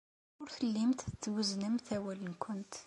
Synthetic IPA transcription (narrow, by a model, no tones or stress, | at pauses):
ʊɾθəlːimt̪ət͡sːwəznəmθæwælənkʷʰʊnt̪